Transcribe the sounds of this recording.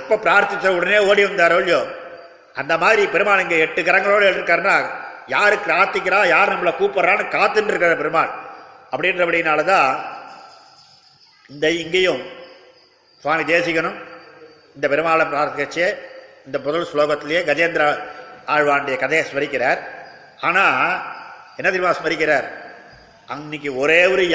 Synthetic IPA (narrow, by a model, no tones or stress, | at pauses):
ɐpːɐpɪɾaːɾt̪ɪt͡ʃːɐʊɽɐneːoːɽiʋɐnd̪aːɾoːɭjoː | ɐnd̪ɐmaːðɾipɛɾɯmaːnɪŋɡeːɛʈːɯkɐɾɐŋɡɐɭoːɽɐeːɭʈɪɾɯkːaːɾɯnːaːjaːɾɯkːɯaːɾt̪ːɪkːɪɾãːjaːɾnɐmːɐɭɐkuːpːɐɾɾaːnɯkaːt̪ːɯnɖɪɾɯkːaɾɐpɛɾɯmaːɭɐpːɐɽɪnrɐpɐɽɪjɪnaːlɐt̪ãː | ɪnd̪ɐɪŋɡɐjɯ̃m | sʋaːmid̪eːsɪkːɐɳɯm | ɪnd̪ɐpɛɾɯmaːɭɐpɾaːɾt̪ːɪɣɐt͡ʃːjeːɪnd̪ɐpɔðɐlsloːɣɐt̪ːɪlɐjeːɡɐd͡ʒeːnd̪ɾɐaːɻʋaːɳɖɪjɐkɐðeɐsmɐɾɪkːɪɾaːɾ | aːnaː | ɛnːɐðɪɾmaːsmɐɾɪk̬ːɪɾaːɾ | ʔɐnːɪk̬ːɯɔɾeːʋɔɾɯj